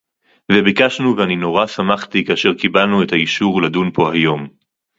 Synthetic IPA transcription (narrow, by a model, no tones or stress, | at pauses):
vebikaʃnuveanino̞ʁasamaχt̪ikaaʃe̞ʁkibalnue̞thaiʃuʁladunpo̞hajo̞m